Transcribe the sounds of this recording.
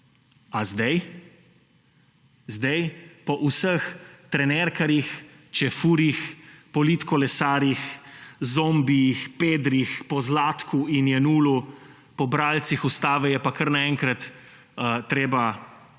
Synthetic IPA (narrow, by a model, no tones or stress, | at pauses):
azd̪ɛj | zd̪ɛjpɔʔusəxt̪ɾɛnɛɾkaɾjix | t͡ʃɛfuːɾixpɔlit̪kɔlɛsaːɾjixzombijixpeːd̪ɾixpɔzlaːt̪kuinjɛnuːlu | pɔbɾaːlt̪sixust̪aːʋɛjɛpakəɾnaɛŋkɾɐt̪ | t̪ɾeːba